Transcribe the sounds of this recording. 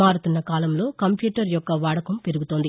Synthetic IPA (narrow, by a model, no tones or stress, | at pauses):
maːɾut̪unːɐkaːlɐmlo̞ːkɐmpjuːʈɐɾjɔkːɐʋaːɽɐkɐmpe̞ɾuɡut̪o̞ːnd̪i